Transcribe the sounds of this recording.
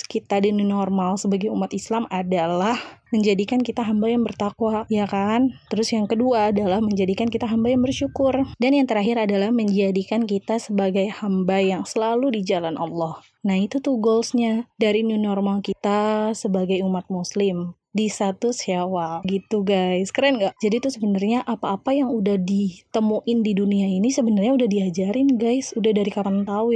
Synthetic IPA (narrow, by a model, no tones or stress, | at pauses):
kit̪adanunɔrmalsəbaɡajumat̪islamadalahməɲd͡ʒadikankit̪aɦambajaŋbərt̪akwajakant̪əɾʊsjaŋkəduaːdalahməɲd͡ʒadikankit̪aɦambajaŋbərʃukʊrdanjaŋt̪əɾaɦɪɾadalahməɲd͡ʒadikankit̪asəbaɡajhambajaŋsəlaludid͡ʒalanʔɑ̰lːɔh | nahit̪ut̪uhɡɔlsɲadaɾinunɔrmalkit̪asəbaɡajumat̪̚muslɪm | dist̪at̪usawaɡit̪uɡajskəɾanɡaʔd͡ʒadit̪ʊsəbənərɲaʔapaːpajaŋudahdit̪əmuʔɪndiduniainisəbənarɲaudahdiad͡ʒaɾɪnɡajsudahdaɾikaɾant̪au